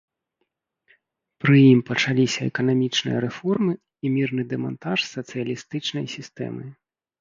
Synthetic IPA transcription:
pɾɨjimpɐt͡ʂalʲisʲɐɛ̰kɐnamʲit͡ʂnɨ̰jɐɾɛfɔrmɨ | imʲirnɨd̪ɛma̰nt̪aʂsɐt̪sɨjɐlʲist̪ɨt͡ʂnɐjsʲist̪ɛ̰mɨ

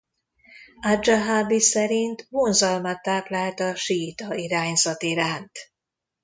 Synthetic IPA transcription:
ad͡ʒaɦaːbisɛɾint̪ʋoːnzɒlmɒt̪ːaːplaːlt̪ɒʃiːt̪ɒiɾaːɲzɒt̪iɾaːnt̪

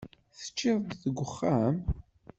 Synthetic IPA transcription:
θə̥t͡ʃːɪðˤd̪θəɡʷəχːam

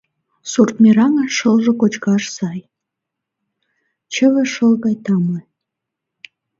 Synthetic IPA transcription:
surt̪̚mʲeɾɑŋɑʃəlʒĕkot͡ɕkɑʃsɑj | t͡ɕə̆βĕʃəlɣɑjt̪ɑmɤj

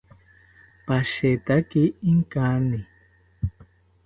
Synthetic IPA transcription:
paʃet̪akɪːŋkanɪ

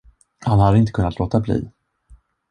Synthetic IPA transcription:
hanhad̪əɪnt̪əkɵnːat̪loːt̪ablḭː

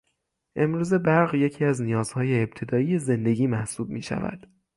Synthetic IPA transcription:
ʔe̞mɾuːze̞bæɾɣje̞cʰiːæznijɒːzhɒːjeːb̚t̪ʰe̞d̪ɒːije̞ze̞nd̪eɟiːmæhsuːb̚miːʃæ̰væ̰d̪̥

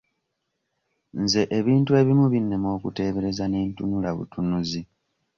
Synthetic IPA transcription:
nze̞ʔeβiːntue̞βimuβinːe̞mo̞ːkute̞ːβe̞ɾe̞zane̞ːntunulaβṵtunuzi

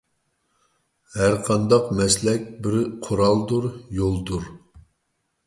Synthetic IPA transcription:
hæɾqʰɑnd̪ɑqmɛslɛkʲbɪɾqʰʊɾɑlˠd̪uɾjolˠd̪uɾ

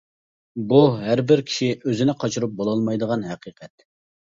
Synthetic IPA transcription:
buɦæɾbɪɾkʲʰi̥ʃiʔøzɪnɪqʰɑt͡ʃʰuɾup̚bolˠɑlˠmɑjd̪əʁɑnɦɛqʰiqʰɛt̪̚

